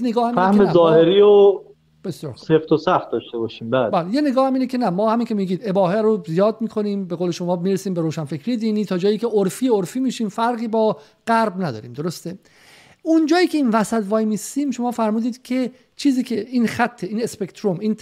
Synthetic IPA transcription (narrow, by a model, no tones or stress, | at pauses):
neɡɒːhæmfæhmezɒːheɾiːo | b̥e̞sjɒ̰ːɾxseft̪ʰosæft̪̚d̪ɒʃt̪ebɒːʃiːmbæːlbæːlejeneɡɒːhæmiːnecʰe̞næmɒːhæmiːncʰe̞miːɡiːd̪e̞bɒːɦeɾozijɒːd̪̚miːkʰo̞niːmbeɣoːleʃomɒːmiːɾesiːmbe̞ɾoːʃænfecɾiːje̞d̪iːniːt̪ʰɒːd͡ʒɒːjiːcʰeʔoɾfiːoɾfiːmiːʃiːmfæɾɣiːbɒː | ɡ̥æɾbnæd̪ɒ̰ːɾiːmd̪o̞ɾost̪e | und͡ʒɒːjiːcʰe̞iːnvæsæt̪vɒːjmist̪iːmʃo̞mɒːfæɾmuːd̪iːd̪̥cʲʰe̞ | t͡ʃʰiːziːcʰeiːnxæt̪ʰːeiːnespe̞kt̪ʰɾomiːn